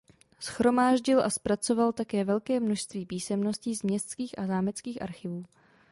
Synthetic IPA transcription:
sxɾo̞maːʒɟɪlʔa̰spɾat͡so̞valt̪akɛːvɛlkɛːmno̞ʃst̪viːpiːsɛmno̞sciːzmɲɛst̪t͡skiːxʔazaːmɛt͡skiːxʔa̰ɾxɪvuː

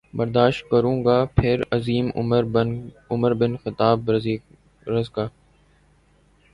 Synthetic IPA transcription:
bəɾd̪aːʃt̪̚kəɾũːɡaːpʰɪɾəziːm | ʊməɾbɪnxɪt̪aːbiː | ɾəzɡaː

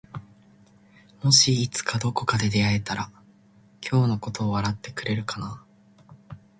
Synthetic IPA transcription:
mo̞ɕiːt͡sɨ̥kad̪o̞ko̞kad̪e̞d̪e̞ae̞t̪aɾa | kʲʰo̞ːno̞ko̞t̪o̞ːβaɾat̪ːe̞kɯ̟ɾe̞ɾɯ̟kana

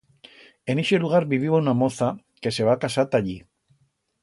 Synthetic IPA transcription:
e̞niʃieluɣaɾbiβiβownamo̞θa | ke̞se̞βakasat̪aʎi

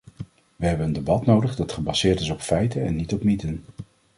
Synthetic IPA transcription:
ʋəɦɛbənəndebɑtnowdəχdɑtχəbɑsɪːɹtɪsɔpfɛjtənɛnːitɔpmitən

